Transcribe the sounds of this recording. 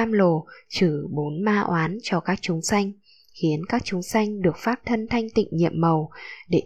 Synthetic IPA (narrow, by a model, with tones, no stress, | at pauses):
aː˧mlo˨˩t͡ɕɨ˧˩ɓo˨˦nmaː˧ʔwʔaː˨˦nt͡ɕɔ˧kaː˦˥k̚t͡ɕʊ˨˦ŋ͡msa˧jŋ̟ | xi˨˦ənkaː˦˥k̚t͡ɕʊ˨˦ŋ͡msa˧jŋ̟ɗɨ˨˩ək̚faː˦˥p̚t̪ʰə˧nt̪ʰa˧jŋ̟t̪ḭ˧˨ŋ̟ɲḭ˧˨əmːə˨˩wɗe˧˩